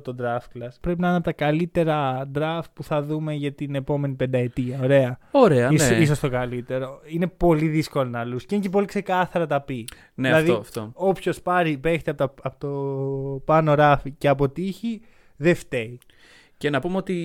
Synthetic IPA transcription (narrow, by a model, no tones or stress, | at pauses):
t̪od̪ɾɐft̪̚klɐspɾe̞p̬inɐɐnɐpt̪ɐkɐlit̪e̞ɾɐd̪ɾɐft̪̚puθɐðume̞ʝɐt̪ine̞po̞me̞nipe̞nd̪ɐet̪iɐoɾe̞ɐoɾeɐiiso̞st̪o̞kɐlit̪e̞ɾo̞ine̞po̞liðisko̞lonɐlusceinc̬ep̬o̞likse̞kɐθɐɾɐt̪ɐpi | neilɐðift̪oo̞pço̞spɐɾipe̞çet̪eɐpot̪opɐno̞ɾɐficeɐpo̞t̪içi | ðeft̪ei | cenɐpumeot̪i